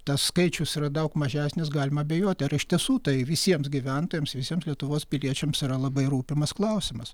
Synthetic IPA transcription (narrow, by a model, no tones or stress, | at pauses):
t̪ɐsskɐɪt͡ʃʲʊsiːɾɐd̪ɐʊkmɐʒʲæːsʲnʲɪs̬ɡɑːlʲɪmɐːbʲɛjoːt̪ʲɐɾɪʃt̪ʲiɛsuːt̪ɐɪʋʲɪsʲiɛmsɡʲiʋʲænt̪oːjɛmsʋʲɪsʲiɛmslʲiɛt̪ʊʋoːspʲɪlʲiɛt͡ʃʲɛmsiɾɐlˠɐbɐɪruːpʲɪmɐsklˠɐʊsʲɪmɐs